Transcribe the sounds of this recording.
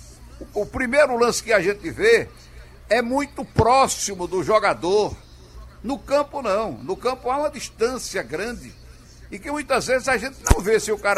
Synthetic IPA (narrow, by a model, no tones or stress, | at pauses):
ʊpɾimejɾʊlɐ̃sɪ̥kɪaʒẽt̪ɪve | ɛmũj̃t̪ʊpɾɔsimʊd̪ʊʒɔɡad̪oɾ | nʊkɐ̃pʊnɐ̃w̃nʊkɐ̃pʊaũmɐd̪iʃt̪ɐ̃siɐɡɾɐ̃d̪ɪ | ɪkɪmũj̃t̪ɐzvezɪzaʒẽnt̪ɪnɐ̃w̃vesɪʊkaɾ